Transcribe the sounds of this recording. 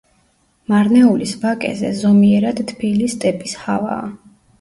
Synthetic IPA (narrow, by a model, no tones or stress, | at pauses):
maɾnɛulisbakʼɛ̰zɛ̰zɔmiɛɾad̪̥t̪ʰːbilist̪ʼɛpʼishava̰ː